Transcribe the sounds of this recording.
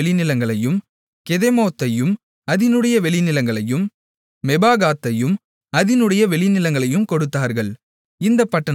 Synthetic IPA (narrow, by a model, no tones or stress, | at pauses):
ɭɪnɪlɐŋɡɐɭɐjɯm | kɛðɛmoːt̪ːɐjɯm | ɐðɪnɯɽɐjɐʋɛɭɪnɪlɐŋɡɐɭɐjɯmː | ɛbaːɣaːt̪ːɐjɯm | ɐðɪnɯɽɐjɐʋɛɭɪnɪlɐŋɡɐɭɐjɯmkɔɽɯt̪ːaːɾɣɐɭ | ɪnd̪ɐpːɐʈːɐ